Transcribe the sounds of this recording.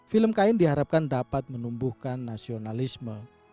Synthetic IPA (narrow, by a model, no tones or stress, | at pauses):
filəmkaɪndiɦaɾap̚kandapat̪̚mənumbuhkanːasionalismə